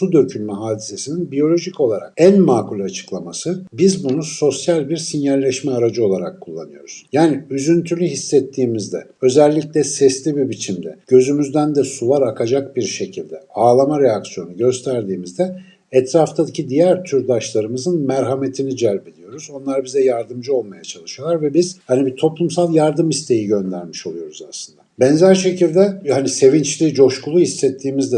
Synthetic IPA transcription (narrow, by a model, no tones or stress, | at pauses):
sud̪ø̞cʰynmɛɦaːd̪ise̞sininbijo̞lʲo̞ʒico̞lˠaɾak̚ænmaːkulʲat͡ʃʰɯ̥klˠamasɯbizbunuso̞sjalʲbiɾsinjalːʲɛʃmɛaɾad͡ʒɯo̞lˠaɾakʰːulˠːa̰nɯjo̞̰ɾuz̥jaːniyzynt̪ʰylʲyɦisːɛt̪ʰːiːmizd̪ɛ̰ø̞zɛlʲːiclʲɛsɛslʲibibit͡ʃʰimd̪ɛ̰ɟ̥ø̞zymyzd̪ænd̪ɛsuvaɾakʰad͡ʒakbiɾʃe̞cʰilʲd̪ɛaːlˠamaɾejaksijo̞nuɟø̞st̪ʰæɾd̪iːmizd̪ɛ | ɛt̪ʰɾaft̪ʰad̪ɯcʰid̪ijæɾt̪ʰyɾd̪aʃlˠaɾɯmɯzɯnmæɾɦame̞t̪ʰinid͡ʒæɾʲbelʲijo̞ɾuzo̞nlˠaɾabizɛjaɾd̪ɯmd͡ʒɯo̞lˠmajat͡ʃʰalˠɯʃɯjo̞lˠaɾvɛbiz̥hanibit̪ʰo̞plˠumsalˠjaɾd̪ɯmist̪ʰe̞jiɟø̞nd̪æɾmiʃo̞lˠujo̞ɾuza̰slɯnd̪abɛnzæɾʃe̞cʰilʲd̪ɛhanise̞vint͡ʃlʲiːd͡ʒo̞ʃkulˠuhisːɛt̪ʰːiːmizd̪ɛ